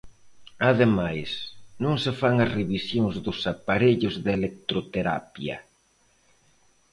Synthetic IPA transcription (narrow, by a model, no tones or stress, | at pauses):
aðemajsnõŋsɪfaŋɐsreβisjoŋzðʊsapaɾeʎʊzðelek̚t̪ɾot̪eɾa̰pjɐ̰